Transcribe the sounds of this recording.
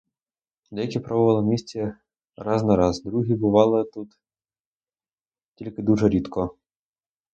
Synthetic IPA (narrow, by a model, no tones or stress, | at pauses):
d̪lʲɐjɐkʲipɾɔbʊʋɑlˠɔmʲisʲt͡sʲɛ | ɾɑznɐɾɑzd̪ɾuɦʲibʊʋɑlˠɪt̪ut̪ | tʲilʲkɪd̪uʒɛɾʲit̪kɔ